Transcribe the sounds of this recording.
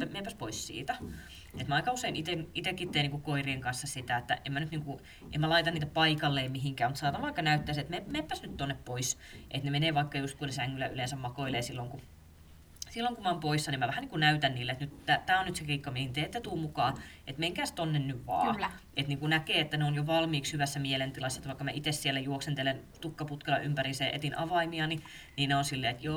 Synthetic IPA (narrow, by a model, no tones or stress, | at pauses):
æmepːæspoissḭːt̪æ | et̪mæɑikɑuseinit̪enit̪ekːit̪ːeːniːŋkukoirieŋkɑnsːɑsit̪æet̪ːæ̰emænyt̪niːŋku | ʔḛmːælɑit̪ɑniːt̪æpɑikɑlːeimiɦiŋkæːmut̪sɑːt̪ɑʋʋɑikːɑnæyt̪ːæːset̪memeːpːæsnyt̪t̪onːeppois | ʔet̪nemeneːʋɑikːɑjust̪kunesæŋːylːæylensæmmɑkoilesilːoŋku | silːoŋkumæompoisːɑnimæʋæhæniːŋkunæyt̪ænniːlːeet̪nyt̪t̪æt̪æːonnyt̪sekiːkːɑmiehint̪eet̪ːæt̪uːmukɑːʔet̪meiŋkæːst̪onːennyʋʋɑ̰ːet̪niːŋkunækeːet̪ːæneonjoʋɑlmiːkshyʋæsːæmielent̪ilɑsːɑet̪ʋɑˑikːɑmæʔit̪essielːæjuoksent̪elent̪ukːɑput̪kɑlɑ̰ʔympæriseːʔḛt̪inʔɑʋɑimiɑni | niːnneonsilːeːet̪joː